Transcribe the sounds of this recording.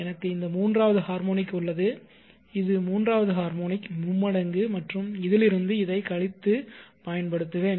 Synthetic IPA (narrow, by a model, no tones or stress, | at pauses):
ɛnɐkːɯɪnd̪ɐmuːndraːʋɐðɯhaːɾmoːnɪkːʊɭːɐðɯ | ɪðɯmuːndraːʋɐðɯɦaːɾmoːnɪkmʊmːɐɽɐŋɡɯmɐʈrɯmɪðɪlɪɾɯnd̪ɯɪðɐɪkɐɭɪt̪ːɯpɐjɐnpɐɽɯt̪ːɯʋeːn